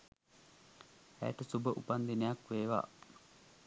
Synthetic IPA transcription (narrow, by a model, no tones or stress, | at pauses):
æ̰jʈəsubəʔupand̪inejakʋeːʋa̰ː